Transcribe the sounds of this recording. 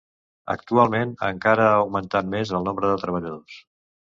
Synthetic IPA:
ə̰k̚t̪ualˠmenə̰ŋkaɾəaːwmənt̪at̪mezəlˠnombɾəðət̪ɾəβ̞əʎəðos

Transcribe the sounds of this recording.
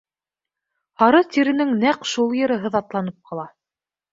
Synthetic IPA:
hɑɾɤt̪iɾɘ̆nɘŋnæqʃulˠjɘ̆ɾɤ̆ɦɤðɑt̪lˠɑn̪ɤp̚qɑlˠɑ

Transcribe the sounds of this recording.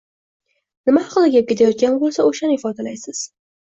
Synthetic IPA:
nɪmahɑqlˠɪɡʲap̚kʲe̞t̪ʰajɒt̪̚ɡʲanbolˠsaoʃanɪɪfɒd̪alajsɪz̥

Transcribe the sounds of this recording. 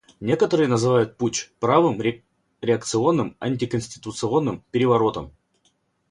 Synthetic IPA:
nʲe̞kət̪əɾɨjənəzɨvajʊt̪̚put͡ɕʲpɾavɨmʲ | ɾʲɪɐk̚t̪sɨo̞nːɨmɐ̰nʲtʲɪkənʲsʲtʲɪ̥t̪ʊt̪sɨo̞nːɨmpʲɪɾʲɪvɐɾo̞t̪əm

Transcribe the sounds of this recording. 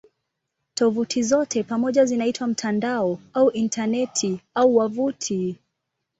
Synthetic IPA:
tɔvutʰizɔtʰɛpamɔʄazinaitwam̩tʰandaɔauʔintʰanɛtʰiauwavutʰi

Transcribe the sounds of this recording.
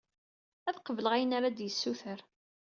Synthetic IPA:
æðqəvləʁæjənaɾad̪jəsːuθəɾ

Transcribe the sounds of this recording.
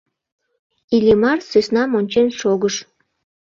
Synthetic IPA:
ilʲimɑrsøsnɑmonʲt͡ɕenʃoɣəʃ

